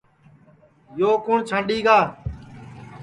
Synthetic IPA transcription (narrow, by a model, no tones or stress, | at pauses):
joːkʊːɳt͡ʃʰãːɳɖiːɡaː